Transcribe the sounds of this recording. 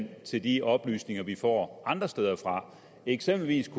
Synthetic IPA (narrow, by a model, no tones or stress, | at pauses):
n̰t͡sʰe̝ld̥iɒ̽b̥ly̰ːsne̝ŋɐʋifɒ̰ːʔɑ̈nd̥ʁɐsd̥eːð̞ˠɐfʁɑ̈ | eɡ̥sem̰b̥l̩ʋḭːskʰ